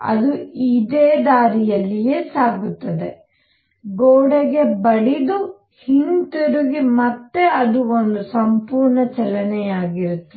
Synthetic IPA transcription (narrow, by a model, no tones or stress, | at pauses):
ɐ̰d̪uid̪eːd̪aːɾijɐlːijeːsaːɡut̪ːɐd̪e̞ | ɡoːɽɐɡe̞bɐɽid̪u | hint̪uɾuɡimɐt̪ːe̞ɐd̪uond̪usɐmpuːɾɳɐt͡ʃɛlɐnɛjaːɡiɾut̪ːɐ